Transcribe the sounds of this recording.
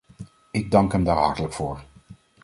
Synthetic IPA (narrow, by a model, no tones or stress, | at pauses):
ɪɡ̚dɑŋkɦɛmdaːɹɦɑ̰ɹtələkfʊːɹ